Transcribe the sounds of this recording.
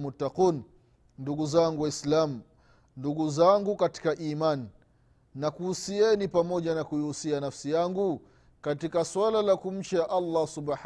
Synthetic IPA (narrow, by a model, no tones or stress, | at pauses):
mut̪ːaquːn | nduɡuzaŋɡuwaislam | nduɠuzaŋɡukati̥kaʔimanː | akuhusiɛnipamɔʄanakuiusianafsijaŋɡu | katikaswalalakum̩t͡ʃaʔalːasub